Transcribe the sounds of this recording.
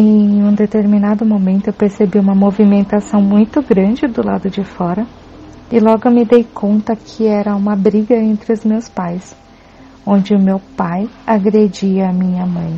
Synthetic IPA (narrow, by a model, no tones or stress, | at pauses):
ẽj̃ũd̪et̪eɾminad̪ʊmõmẽnt̪ʊewpeɾsebiũmɐmovimẽnt̪asɐ̃w̃mũj̃t̪ʊɡɾɐ̃d͡ʒɪd̪ʊlad̪ʊd͡ʒɪfɔɾɐ | ɪlɔɡʊmɪd̪ejkʰõnt̪ɐkʰɪɛɾɐũmɐbɾiɡɐẽnt̪ɾɪʊzmewspajs | õnd͡ʒɪʊmewpajaɡɾed͡ʒiɐːmĩɲɐmɐ̃j̃